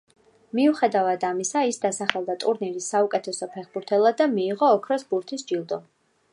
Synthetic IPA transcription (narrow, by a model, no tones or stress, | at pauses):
miuχɛd̪avad̪amisaisd̪asaχɛlˠd̪at̪ʼuɾniɾisːaukʼɛt̪ʰɛsɔpʰɛχbuɾt̪ʰɛlˠad̪amiːʁɔːkʰɾɔsbuɾt̪ʰisd͡ʒilˠd̪ɔ